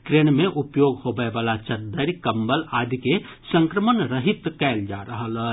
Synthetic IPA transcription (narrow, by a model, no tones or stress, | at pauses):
ʈɾenmeʔupjoɡhobəbalat͡ʃəɾd̪əɾkəmbəlad̪ʱike | sə̃ŋkɾəmənɾəɦit̪kɛld͡ʒaɾəɦələ